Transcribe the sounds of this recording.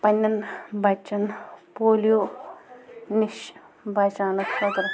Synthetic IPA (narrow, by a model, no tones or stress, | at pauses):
pɐnʲːɐnbɐt͡ʃːɐnpoːlijoː | niʃ | bʱaːt͡ʃaːnɐksɐd̪ɐɾ